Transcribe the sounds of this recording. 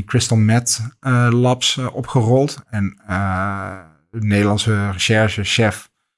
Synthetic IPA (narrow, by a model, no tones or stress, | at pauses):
krɪstəlˠmɛtlɑpsʔɔpχərɔlˠtɛn | nejdəlɑnsərəʃɛɹʒəʃɛf